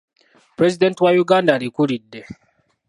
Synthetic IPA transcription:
pɾɛzidɛntwajuɡandaɾikuɾidːɛ

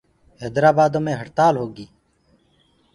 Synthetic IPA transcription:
ɦeːd̪ɾaːbaːd̪õːmẽːɦəʈt̪aːlɦoːɡiː

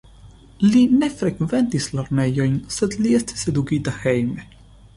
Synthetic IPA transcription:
linɛfɾɛkvɛnt̪islɐɾnɛjɔjnsɛd̪liɛst̪sɛd̪uɡiːt̪axɛjm

